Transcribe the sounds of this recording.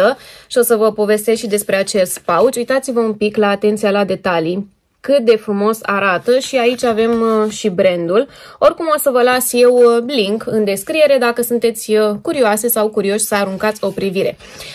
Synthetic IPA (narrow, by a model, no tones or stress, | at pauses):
əʃio̞səvəpo̞ve̞st̪esʃid̪e̞spɾe̞at͡ʃe̞st̪paut͡ʃujt̪at̪sivəumpiklaːt̪e̞nt̪sijalad̪e̞t̪ali | kɨt̪̚d̪e̞fɾumo̞sa̰ɾat̪əʃiait͡ʃʲave̞mʃibɾe̞nd̪ul | o̞rkumo̞səvəlasje̞wliŋkɨnd̪e̞skɾije̞ɾe̞d̪akəsunt̪e̞t̪sʲkuɾioase̞sawkuɾio̞ʃʲsəaɾuŋkat̪sʲo̞pɾiviɾe̞